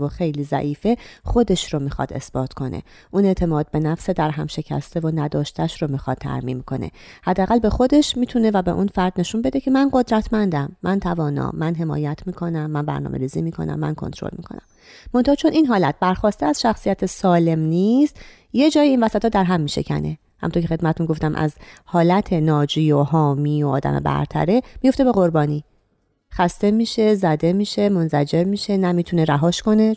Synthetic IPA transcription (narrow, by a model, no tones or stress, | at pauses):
voxe̞jliːzæ̰ʔiːfe̞χo̞d̪e̞ʃɾomiːxɒ̰d̪e̞̰sb̥ɒːt̪ʰkʰo̞nʔḛ | ʔune̞ʔt̪ʰe̞mɒːd̪̚be̞næfsed̪æɾɦæmʃe̞cʰæ̰st̪evonæd̪ɒːʃt̪ʰæʃɾomixɒd̪̚t̪ʰːæ̰ɾmḭːmkʰo̞̰nḛhæd̪ːeæɣælbe̞xo̞d̪e̞ʃmiːt̪ʰune̞væbe̞ʔunfæɾd̪̥ne̞ʃunbe̞d̪ecʰe̞mænɢo̞d̪ɾæt̪ʰmænd̪æmːænt̪ʰævɒːnɒ̰ːmænɦe̞mɒ̰ːjæt̪ʰmiːkʰo̞næmːænbæ̰ɾnɒ̰ːmʔe̞ɾiːzimiːkʰo̞̰næ̰mːæ̰nkʰont̪ʰɾo̰lmḭkʰo̞̰næ̰mː | o̞nt̪ɑːt͡ʃʰo̞nʔinɦɒːlæt̪̚b̥æɾxɒːst̪eæz̥ʃæxsijæt̪ʰesɒːle̞mnist̪ | jed͡ʒɒːjiinvæsæt̪ʰɒːd̪æɾɦæmːiːʃe̞̰cʰæ̰ne̞ | hæ̰mnoɾcʰʲexe̞d̪mæt̪et̪unɡo̞ft̪æmʔæ̰zhɒːlæt̪ʰe̞nɒːd͡ʒiːoɦɒːmiːoɒ̰ːd̪æ̰mḛbæ̰ɾt̪ʰæ̰ɾe̞mijo̞ft̪e̞be̞ɣo̞ɾbɒːniː | xæst̪e̞miːʃe̞zæd̪e̞miːʃe̞monzʰæd͡ʒe̞ɾmiːʃe̞næmiːt̪ʰuneɾæɦɒːʃko̞ne